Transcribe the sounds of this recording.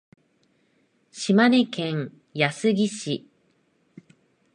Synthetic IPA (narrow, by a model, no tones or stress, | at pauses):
ɕimanekẽŋ̃ | jasɨɡʲiɕi